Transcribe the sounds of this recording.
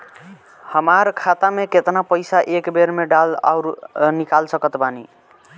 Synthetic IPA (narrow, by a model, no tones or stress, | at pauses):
həmaɾkʰat̪ameket̪napəjsaʔekbeɾmeɖala̰ʊɾnikalsəkət̪bani